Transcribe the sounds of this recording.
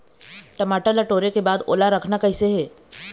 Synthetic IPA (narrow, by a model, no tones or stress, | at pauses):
ʈɐmaːʈəlɐʈoːɾekebaːd̪o̰ːlaɾɐkʰnakɐɪseɦɛː